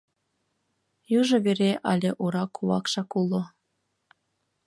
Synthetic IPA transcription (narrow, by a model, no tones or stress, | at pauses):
juʒŏβeɾeʔɑlʲeʔuɾɑkːuβɑ̰kʃɑkulˠo